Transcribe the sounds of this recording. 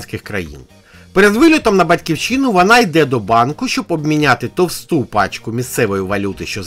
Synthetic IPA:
nʲsʲkɪxkɾɐjḭn | peɾed̪ʋɪlʲɔt̪ɔmnɐbɐtʲkʲiwt͡ʃinʊʋɔnɑjd̪ɛd̪ɔbɑnkʊʃt͡ʃɔbɔbmʲinʲat̪ɪt̪ɔwst̪upɑt͡ʃkʊmʲist̪sɛʋɔjʊʋɐlʲut̪ɪʃt͡ʃɔz

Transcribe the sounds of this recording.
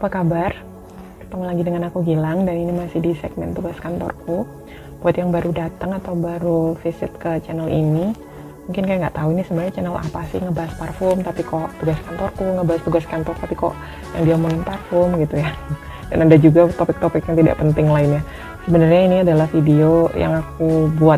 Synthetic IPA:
upakabar | t̪aŋlaɡidəŋanakuɡilaŋdaninimasɪhdisɛ̰ɡ̚mɛ̰nt̪uɡaskant̪ɔ̰rku | b̥uat̪jaŋbaɾudat̪əŋat̪awubaɾufisɪt̪̚kət͡ʃɛnəlḭni | muŋkɪnkajaŋɡa̰ʔt̪auinisəbənarɲat͡ʃɛnəla̰pasɪ̰hŋəbaɦasparfɔrmt̪apikɔʔt̪uɡaskant̪ɔrkuŋəbaɦast̪uɡaskant̪ɔrt̪apikɔ̰ʔ | jaŋdiamuŋɪnparfɔrmɡit̪uja | da̰nadad͡ʒuɡat̪opɪk̚t̪opɪkjaŋt̪ida̰ʔpənt̪ɪŋlaɪnja | səbənərɲainiadalahfideoja̰ŋakubuat̪

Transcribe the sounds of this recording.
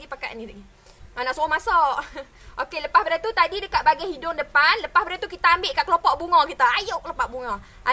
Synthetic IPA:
ɡipaka̰ʔnilaɡi | anaʔsoɔmasɔʔ | ʔokeləpasbəɾat̪ut̪adidəkat̪ʔ̪̚baɡajhidʊŋdəpanləpahbəɾat̪ukit̪aːmbɪʔkaʔkəlopɔʔbuŋɔkit̪aːjoʔklopaʔbuŋɔ | ʔa

